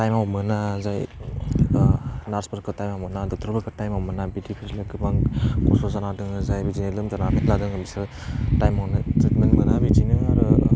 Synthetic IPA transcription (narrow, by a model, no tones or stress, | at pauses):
tajmawmɯnazaj | naɾspʰəɾkɯtajmawmɯnadɔktʰɾɔbɯkʰɯtajmawmɯnabidipʰislaɡɯbaŋkɔsɔzanadɯŋɯzajbid͡ʒinɯlɯmzanamitladɯŋɯbisɯ | tajmawnɯzetmenmɯnabid͡ʒinɯaɾɯ